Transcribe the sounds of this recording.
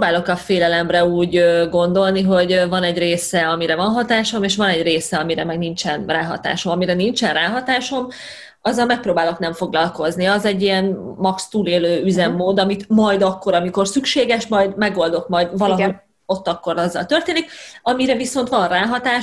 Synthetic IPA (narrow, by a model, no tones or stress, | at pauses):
baːlo̞kɒfeːlɛlɛmrɛuːɟøɡo̞nd̪o̞lniɦo̞ɟvɒnɛɟreːsɛɒmiɾɛvɒnɦɒt̪aːʃomeːʃʋɒnɛɟreːsɛɒmiɾɛmɛɡnint͡ʃɛnraːɦɒ̰t̪a̰ːʃo̞mɒmiɾɛnint͡ʃɛnraːɦɒt̪aːʃo̞m | ɒzːɒlmɛk̚proːbaːlo̞knɛɱfo̞ɡlɒlko̞zniɒzɛɟːijɛnmɒkst̪uːleːløːyzɛmːoːd̪ɒmit̪mɒjd̪ɒkːo̞ɾɒmiko̞rsykʃeːɡɛʃmɒjd̪mɛɡo̞ld̪o̞kmɒjd̪vɒllɒɦo | o̞t̪ːɒkːo̞ɾɒzːɒ̰lt̪ørt̪eːnikɒmiɾɛviso̞nt̪ʋɒnraːɦɒt̪aː